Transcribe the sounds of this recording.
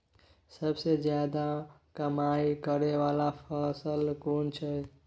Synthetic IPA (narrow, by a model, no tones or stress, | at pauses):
səbsed͡ʒjad̪akəmaikəɾeʋalapʰəsəlkont͡ʃʰə